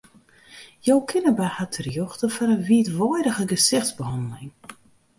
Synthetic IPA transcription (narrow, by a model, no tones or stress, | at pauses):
jowkʰɪnəbɛhatʰərjoxtəfɔnənʋiːtʋɔjdəɣəɡəsɪxtzbəɦɔndəlɪŋ